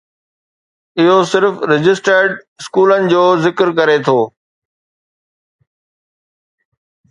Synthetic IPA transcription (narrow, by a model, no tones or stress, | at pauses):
ɪɦosɪɾfɾɪd͡ʑɪsʈəɾɖɪskuːlənɪ̆d͡ʑoːzɪkɾkɐɾet̪ʰoː